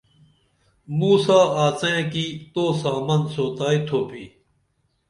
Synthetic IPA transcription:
muːsaːaːt͡sẽkiːt̪oːsaːmɐnsoːt̪aːit̪ʰoːpiː

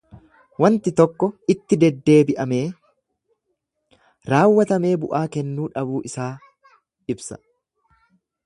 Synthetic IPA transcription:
wɐnt̪ɪt̪ɔkːɔɪt̪ːɪd̪ɛd̪ːe̞ːbɪʔɐme̞ː | ɾaːwːɐt̪ɐme̞ːbʊʔaːkɛnːuːᶑɐbuːʔɪsaː | ɪbsɐ̥̰

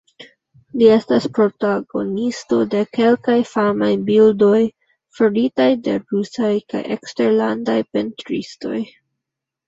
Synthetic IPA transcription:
lie̞staspɾo̞taɡo̞̰nisto̞de̞ke̞lkajfamajbildo̞j | foɾitajde̞̰ɾusajka̰jʔe̞̰kste̞ɾlandajpe̞ntɾḭsto̞̰j

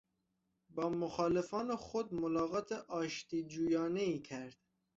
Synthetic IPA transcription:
bɒːmoxɑːlefɒːnexod̪̚molɒːɣɒːt̪ʰeʔɒːʃt̪iːd͡ʒuːjɑːneiːcʰæɾd̪̥

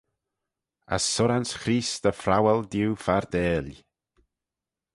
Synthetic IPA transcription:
a̰sːʊɾansxɾiːsd̪əfɾawɛld̪iwfaɾd̪ɛːlʲ

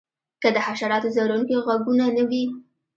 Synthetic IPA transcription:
kəd̪əhaʃaɾɑt̪ozaɾunkeɣaɡunanəwi

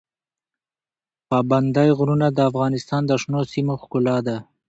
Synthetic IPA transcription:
pɑband̪ajɣɾunad̪əafɣɑnɪst̪ɑnd̪əʂnosimoxkʊlɑd̪a

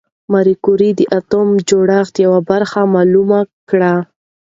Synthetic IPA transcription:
maɾikuɾid̪əʔat̪omd͡ʒoɽaxt̪jawabaɾxamɑlumakɽa

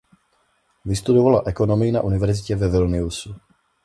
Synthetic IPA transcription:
vɪst̪udovalaʔɛko̞nomɪɪnaʔunɪvɛɾzɪcɛvɛvɪlnɪusu

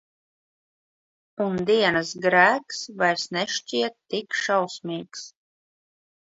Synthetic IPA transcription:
und̪iɛnɨsɡɾæːksvajɾsnɛʃt͡ʃʲiɛt̪ːikʃawsmʲiːks

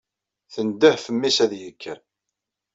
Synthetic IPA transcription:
θənd̪əhfəmːisæðjəkʰːəɾ

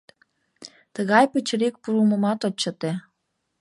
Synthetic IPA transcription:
t̪əɣɑjpət͡ɕɾik̚puɾumə̆mɑt̪ot͡ɕːət̪e

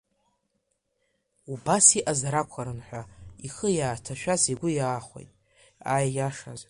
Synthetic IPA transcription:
ubasiʔazaɾakʷʰaɾɨnħʷᶣaiχəjaːtʰaʃᶣazeɡʷʊjaːχʷḛjtʼ | ajjaʂaz

